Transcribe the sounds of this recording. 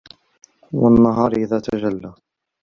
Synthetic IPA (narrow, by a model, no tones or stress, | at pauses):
wanːaɦɑːɾʔɪðaːt̪ad͡ʒalːa